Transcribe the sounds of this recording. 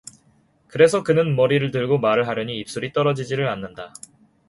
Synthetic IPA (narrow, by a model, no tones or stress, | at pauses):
kɯɾe̞sʰʌkɯnɯnmʌɾiɾɯɭtɯɭɡomaɾɯɭɦaɾjʌɲiːp̚s͈uɾit͈ʌɾʌd͡ʑid͡ʑiɾɯɭanːɯnda